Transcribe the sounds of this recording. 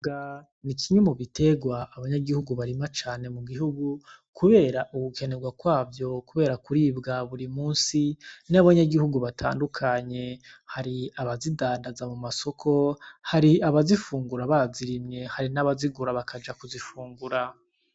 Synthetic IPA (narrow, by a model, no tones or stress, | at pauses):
ɡa | nikʰiɲumuβitʰe̞ɡwaːβaɲaɡihuɡuβaɾimat͡ʃaːne̞muɡiɦuɡu | kʰuβe̞ːɾaʔukuke̞ne̞ɡwakwaːvjo̞kuβe̞ːɾakuɾiːbɡaβuɾimuːnsinaβaɲaɡihuɡuβatʰa̰ːndukʰaɲe̞haɾiaβazidaːndazamumaso̞kʰo̞haɾiaβazifuːŋɡuɾaβaziɾimɲe̞haɾinaβaziɡuɾaβakʰad͡ʒakuzifuːŋɡuɾa